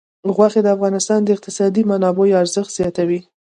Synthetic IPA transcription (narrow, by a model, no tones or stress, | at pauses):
ɣwaxed̪əafɣɑnɪst̪ɑnd̪əɪq̚t̪ɪsɑd̪imanɑbojaɾzəxt̪z̥jɑt̪awi